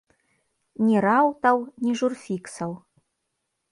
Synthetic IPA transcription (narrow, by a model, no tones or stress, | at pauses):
nʲiɾawt̪ɐwnʲiʐurfʲiksɐw